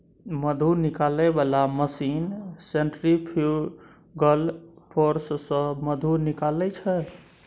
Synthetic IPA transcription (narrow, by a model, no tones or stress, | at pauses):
məd̪ʱunikalɛbalaməsinseɳʈɾipʰu | ɡəlpʰoɾssə̃məd̪ʱunikalɛt͡ʃʰɛ